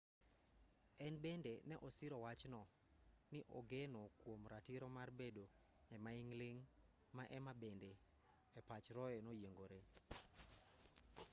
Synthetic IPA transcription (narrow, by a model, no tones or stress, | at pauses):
ɛnbendenɛʔɔsɪɾɔwat͡ʃnɔ | nɪʔɔɡenokwomɾatiɾɔmarbedo | ɛmaiŋleŋ | maʔɛmabende | ɛpat͡ʃɾɔɛnojeŋɡoɾe